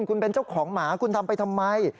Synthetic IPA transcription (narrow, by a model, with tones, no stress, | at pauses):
nkʰu˧npe˧nt͡ɕa˥˩wkʰɔː˩˦ŋmaː˩˦kʰu˧nt̪ʰa˧mpa˧jt̪ʰa˧mːa˧j